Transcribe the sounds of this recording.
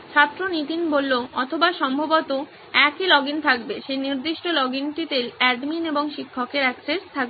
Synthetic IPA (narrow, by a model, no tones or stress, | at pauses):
t͡ɕʰat̪ːɾonit̪inbolːoɔt̪ʰobaʃɔmbʱobot̪o | ɛkilɔɡint̪ʰakbeʃejniɾd̪iʃʈolɔɡinʈit̪elɛɖmineboŋʃikʰːokeɾɛksest̪ʰak̚be